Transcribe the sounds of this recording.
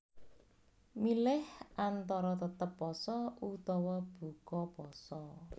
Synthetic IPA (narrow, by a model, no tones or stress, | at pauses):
milɪhʔant̪ɔɾɔt̪ət̪əpːɔsɔʔut̪ɔwɔb̥ṳkɔpɔsɔ